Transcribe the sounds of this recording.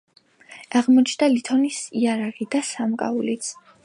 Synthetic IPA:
aʁmɔt͡ʃʰd̪alit̪ʰɔnisiaɾaʁid̪asamkʼa̰ulit̪sʰ

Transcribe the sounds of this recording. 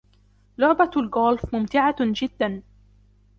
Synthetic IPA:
lʊʕbalɡoːlfmʊmt̪ɪʕad͡ʒɪd̪ːan

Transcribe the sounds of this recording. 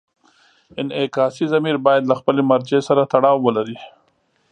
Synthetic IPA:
ɪnɪkɑsizamiɾbɑjad̪laxpəlemaɾd͡ʒesaɾat̪aɽɑwːəlaɾi

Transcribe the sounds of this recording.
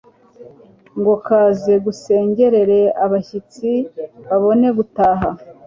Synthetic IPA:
ŋɡo̞kaːze̞ɡuse̞ːɲɟe̞ɾe̞ɾe̞aβaçit͡siβaβo̞ne̞ɡutaːɦa

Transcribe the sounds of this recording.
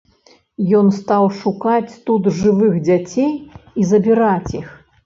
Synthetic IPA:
jɔnst̪awʂukat͡sʲt̪ut̪ʐɨvɨxd͡zʲat͡sʲejizɐbʲiɾat͡sʲix

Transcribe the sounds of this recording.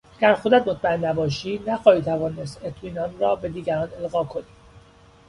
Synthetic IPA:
æɡæɾxod̪æt̪mot̪̚ʰmæenːæbɒːʃiːnæxɒːiːt̪ʰævɒːne̞st̪e̞t̪ʰmiːnɒːnrɒːbe̞d̪iːɡæɾɒːne̞lɣɒːkʰo̞ni̥ː

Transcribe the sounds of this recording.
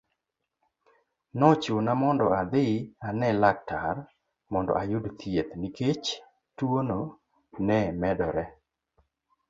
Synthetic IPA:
nɔt͡ʃonamɔndɔad̪ɪanɛlak̚tar | mɔndɔ̰ʔajʊdt̪ʰjet̪niket͡ʃ | twono | nɛmɛdɔɾɛ

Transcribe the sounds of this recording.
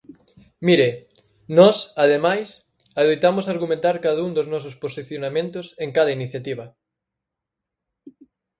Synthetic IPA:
miɾe | nɔsaðemajs | aðojt̪amʊsaɾɣumẽnt̪aɾkaðauŋd̪oznɔs̬ʊsposiθjonamẽnt̪ʊseŋkaðɐiniθjat̪iβɐ

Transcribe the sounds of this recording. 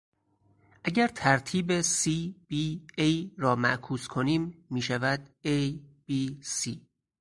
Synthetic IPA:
ʔæɟæɾt̪ʰæɾt̪ʰiːbesiːb̥iːejɾɒːmæʔkʰuːskʰoniːmːiːʃævæd̪̥̚ejb̥iːsiː

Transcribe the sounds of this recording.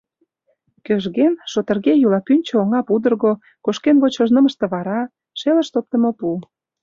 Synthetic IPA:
køʒɣenʃot̪ə̆rɣejulɑpynʲt͡ɕooŋɑpud̪ə̆rɣo | koʃkenβot͡ɕɤʒnə̆mə̆ʃt̪ĕβɑɾɑ | ʃelə̆ʃt̪op̚t̪ə̆mopu

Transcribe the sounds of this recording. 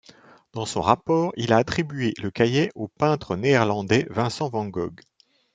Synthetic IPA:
d̪̥ɑ̃sɔ̰̃ʁapɔːʁilaːt̪χibɥeləkajɛʔopɛ̃t̪χəneːʁlɑ̃d̪ɛvɛ̃sɑ̃vɑ̃ɡɔɡ

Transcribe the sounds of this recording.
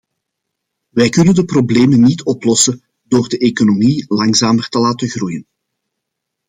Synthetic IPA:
ʋɛjkɵnəndəprobleːmənitʰɔplɔsə | d̥oːrdəʔeːkonomilɑŋzaːmərtəlaːtəɣrujən

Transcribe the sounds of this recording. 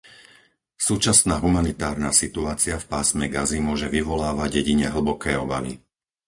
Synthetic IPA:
suːt͡ʃasnaːɦumanit̪aːɾnaːsit̪uaːt͡siafpaːsmɛɡazimʊɔʒɛʋiʋɔlaːʋaɟjɛɟiɲɛɦl̩bɔkʰɛːɔba̰ʋḭ

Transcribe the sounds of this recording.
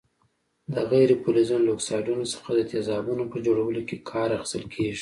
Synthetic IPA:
d̪əɣajɾepolozunloksɑjɖunosə̥xad̪ət̪ezɑbunopəd͡ʒoɽawəlokekʰɑɾaxi̥st̪əlkʰeʒi̥

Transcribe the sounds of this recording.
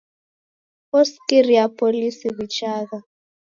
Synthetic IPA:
ɔskiriapʰʼolisiβit͡ʃʰaːɣa

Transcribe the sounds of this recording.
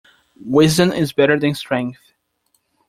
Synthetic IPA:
wɪzdɨ̃mɪ̰zbɛɾə˞ðɨ̃nstɹ̥ɛ̃ŋk̚θ

